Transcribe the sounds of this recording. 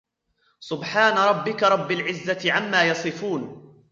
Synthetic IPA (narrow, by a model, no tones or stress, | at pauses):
sʊbħaːnaɾˤɑbːɪkaɾˤɑbːalʕɪzːat̪ɪʕamːaːjɑsˤɨfuːn